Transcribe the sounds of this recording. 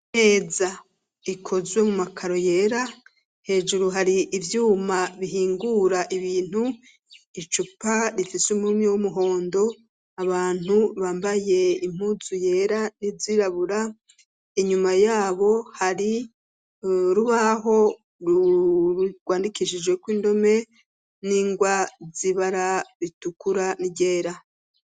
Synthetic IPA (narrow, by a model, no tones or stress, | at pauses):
ne̞ːza | ikʰo̞zwemumakʰaɾo̞je̞ːɾa | he̞ːd͡ʒuɾuɦaɾiʔːvjuːmaβiɦiːŋɡuːɾaʔiβiːn̥hu | it͡ʃupaɾifisumumɲewumuɦo̞ːndo̞ | aβaːn̥huβaːmbaje̞im̥uzuje̞ɾaniziɾaβuɾa | iɲumajaːβo̞haɾi | ɾuβaɦo̞ | ɾu | ɡ̥waːndikiʃid͡ʒɡwe̞kwiːndo̞me̞ | niːŋɡwaziβaɾaβitukuɾaniɟe̞ːɾa